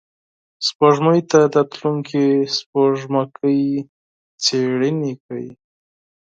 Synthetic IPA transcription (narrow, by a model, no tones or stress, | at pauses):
spoʐməjt̪ad̪at̪luŋkʰispoʐmakʰəj | t͡seɽənikaji